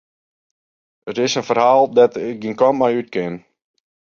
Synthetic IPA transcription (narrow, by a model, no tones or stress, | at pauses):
ətɪsənfərɦaːlˠdatɪk̚ɡinkɔnmajyt̚kɪn